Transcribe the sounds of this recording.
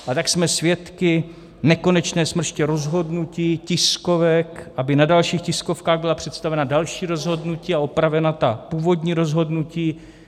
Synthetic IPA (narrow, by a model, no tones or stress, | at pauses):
ʔat̪aksmɛsvjɛt̪kɪ | nɛko̞nɛt͡ʃnɛːsmr̩ʃcɛɾo̞zɦo̞dnuciːcɪsko̞vɛkʔabɪnadalʃiːxcɪsko̞fkaːɣbɪlapr̝̥ɛt̪st̪avɛnadalʃiːɾo̞zɦo̞dnuciːaopɾavɛnat̪apuːvo̞dɲiːɾo̞zɦo̞dnuciː